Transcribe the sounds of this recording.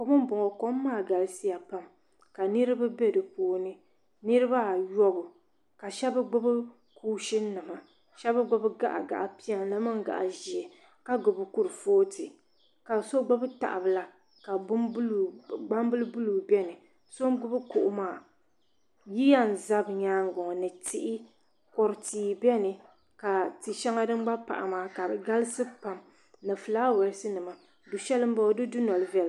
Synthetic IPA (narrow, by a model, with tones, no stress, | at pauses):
ko˨mɨ˦m˦bʊ˨ŋɔ˨ko˦mː˦aː˦˨ɡa˨lsi˦ja˨pa˦m | ka˨nɨ˦ɾɨ˦ba˦bɛ˦dɨ˨poː˦˨nɨ˦ | nɨ˦ɾɨ˦ba˦˨jɔ˦bʊ˨ | ka˨ʃɛ˦bɨ˦ɡ͡bʊ˦bɨ˦ | kʰuː˦ʃɪ˦nː˦ɨ˨ma˨ | ʃɛ˦ba˦ɡ͡bʊ˦bɨ˦ɡa̰˦ʔa̰˨ɡa̰˨ʔa˨pi˦a˨nla˦mɨ˦ŋɡa̰˨ʔa̰˨ʒi˨ɛ˨ | ka˦ɡʊ˨bɨ˨kʊ˦ɾɨ˨foː˦tʰɨ˨ | ka˨so˦ɡ͡bʊ˦bɨ˦ta̰˨ʔa˨bɨ˨la˨ | ka˨bʊ˦mblɡ͡ba˦mbɨ˦lɨ˦bʊ˦lu˨bɛ˦nɨ˨ | so˦m˦ɡʊ˦bɨ˦ko˨ʔʊ˦maː˦˨ | ji˦ja˦n˨za˦bɲaː˦ŋ˦ɡɔ˨ŋ˨nɨ˨tɪ˦ʔɪ˦ | kɔ˨ɾtiː˨bɛ˦nɨ˨ | ka˨tɨ˨ʃɛ˦ŋa˦dɨ˦m˦ɡ͡ba˦pa̰˨ʔa̰˨maː˦˨ka˨ɡa˦lɨ˦sɨ˦pa˨m | nɨ˨fɨ˨laː˦wɛ˨ɾɨ˦sɨ˦nɨ˨ma˨ | du˨ʃɛ˦lɨ˦m̩˦ba˦dɨ˦dʊ˦nɔ˨lɨ˦vɛ˨l